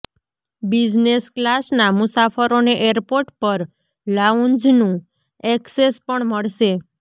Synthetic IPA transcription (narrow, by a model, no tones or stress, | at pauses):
bid͡ʒnesklasnamʊsafʰəɾoneʔeɾpoɾʈpəɾ | laund͡ʒnũ | ɛksespəɳməɭʃe